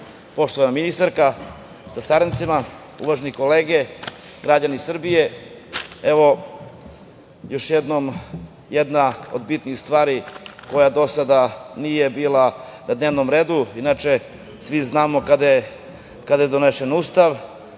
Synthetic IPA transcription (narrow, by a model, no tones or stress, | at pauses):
po̞ʃt̪oanaminist̪aɾka | sasaɾent̪sima | ṵʋaʒeniko̞leːɡe | ɡɾad͡ʑanisr̩bije | eʋo̞ | jo̞ʃjed̪nom | jed̪nao̞̰d̪bit̪nixst̪ʋaːɾiko̞jad̪o̞sad̪anije̞biːlˠa | nad̪neːʋno̞mɾe̞ːd̪uinat͡ʃe | sʋiznaːmokad̪aje | kad̪ajed̪o̞neʃenuːst̪aʋ